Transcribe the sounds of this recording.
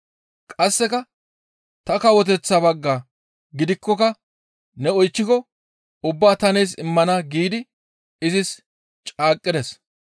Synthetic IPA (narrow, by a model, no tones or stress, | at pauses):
kʼɐsːɛkɐ | t̪ɐkɐwɔt̪̬ɛt͡sːabɐɡːaː | ɡɪd̪ɪkːɔkɐ | nɛɔjt͡ʃːɪkɔ | ʊbːaːt̪ɐnɛjs̬ɪmːɐnɐɡiːd̪ɪ | ɪzɪs | t͡ʃʼaːkʼːɪd̪ɛs